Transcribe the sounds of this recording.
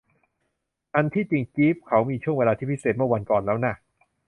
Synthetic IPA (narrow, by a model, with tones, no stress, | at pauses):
ʔa˧nt̪ʰiː˥˩t͡ɕi˧ŋkiː˦˥p̚kʰa˦˥wmiː˧t͡ɕʰu˥˩əŋweː˧laː˧t̪ʰiː˥˩i˦˥seː˨˩t̪̚mɯ˥˩wa˧nkɔː˨˩nlɛː˦˥wna˥˩